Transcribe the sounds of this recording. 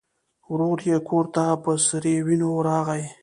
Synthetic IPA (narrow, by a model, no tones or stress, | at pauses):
wɾoɾjekʰoɾt̪apəsəɾewinoɾɑːɣaj